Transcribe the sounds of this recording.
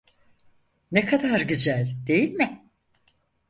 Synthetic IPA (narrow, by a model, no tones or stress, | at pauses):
nekʰad̪aɾɟyzælʲd̪e̞jilʲmɪ